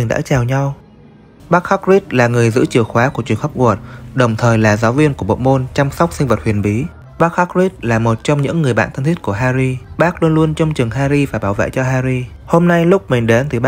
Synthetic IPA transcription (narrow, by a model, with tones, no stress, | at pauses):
ŋɗa̰ː˧˥t͡ɕaː˨˩wɲa˧w | ɓaː˦˥k̚xa˦˥k̚zi˦˥t̚laː˨˩ŋɨ˨˩əjzɨ̰˧˥t͡ɕɨ˨˩əwxwaː˨˦ku˧˩ət͡ɕi˨˩əŋxə˦˥p̚ɣu˨˩ət̚ɗə˨˩wŋ͡mt̪ʰəː˨˩jlaː˨˩zaː˨˦wvi˧ənku˧˩əɓo̰˧˨mo˧nt͡ɕa˧msɔ˦˥k͡p̚sï˧ŋ̟və˨˩t̚hwi˨˩ənɓi˨˦ | ɓaː˦˥k̚xa˦˥k̚zi˦˥t̚laː˨˩mo˨˩t̚t͡ɕɔ˧wŋ͡mɲɨ̰˧˥ŋːɨ˨˩əjɓa̰ː˧˨t̪ʰə˧nt̪ʰi˦˥t̚ku˧˩əɦaː˧zi˧ɓaː˦˥k̚lu˧ənlu˧ənt͡ɕɔ˧wŋ͡mt͡ɕɨ˨˩əŋɦaː˧ɾi˧vaː˨˩ɓaː˧˩wvḛ˧˨jt͡ɕɔ˧ɦaː˧ɾi˧ | ho˧mna˧jlʊ˦˥k͡p̚mï˨˩ŋ̟ɗe˨˦nt̪ɨ˨˩ɓ